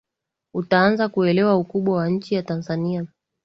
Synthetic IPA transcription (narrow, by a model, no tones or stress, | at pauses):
utaanzakuɛlɛwaukuɓwawaɲ̩t͡ʃijatanzania